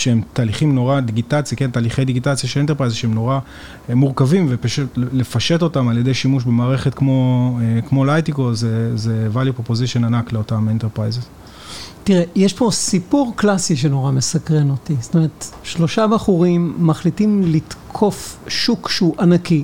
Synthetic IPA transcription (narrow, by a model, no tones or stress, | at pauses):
ʃeemt̪aːliχimno̞ʁad̪iɡitat͡sjakentaːliχe̞jd̪iɡitat͡sjaʃelentepʁajzʃeemno̞ʁa | muʁkavimvepaʃutlle̞faʃe̞to̞tamaljedejʃimuʃbe̞maːʁe̞χetkmo̞kmo̞lajtikozezevaljupʁopoziʃo̞nanakleo̞tamenteʁpʁajzez | tiʁejeʃpo̞sipuʁklasiʃ̬enoʁame̞sakʁeno̞tist̪ome̞ʁet̪ʃlo̞ʃabaχuʁimːaχlitimlitkʰo̞fʃukʃeuʔanaki